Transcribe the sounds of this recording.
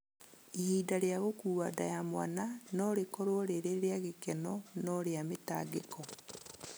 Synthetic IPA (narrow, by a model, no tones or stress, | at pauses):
ihiːdaɾeaɣokuːwadajamwa̰nanɔɾekɔɾoɔɾeɾeɾeaɣekɛnɔnɔɾeameta̰ɡekɔ